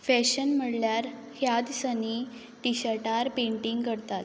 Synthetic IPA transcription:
fɛɕənm̤əɽljaɾ | hjad̪səni | ʈiɕəʈaɾpẽɳʈiŋɡkəɾt̪at̪

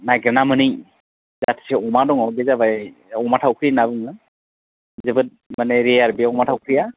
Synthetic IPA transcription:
najɡɾɛnamɯnɯj | zatʰi̥seɔmadɔŋɔbezabajɔmatʰawkʰɾinabɯŋɯ | zɯbɯt̚maneɾejaɾbiaɔmatʰawkʰɾija

